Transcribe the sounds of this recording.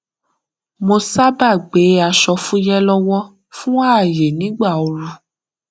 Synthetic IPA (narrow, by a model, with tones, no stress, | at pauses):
mo˧sa˦ba˦˨ɡ͡be˨˦a˧ʃɔ˧fũ˦jɛ˦lɔ˦wɔ˦ | fũ˦a˦˨je˨nĩ˨˦ɡ͡ba˦˨o˧ɾu˧